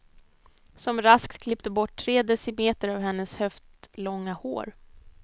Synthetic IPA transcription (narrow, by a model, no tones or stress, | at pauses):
sɔmɾaskt̪kʰlɪpt̪əbɔʈʰːɾeːd̪ɛsɪmeːt̪əɾavɦɛnːəshœft̪lɔŋːaho̰ːɾ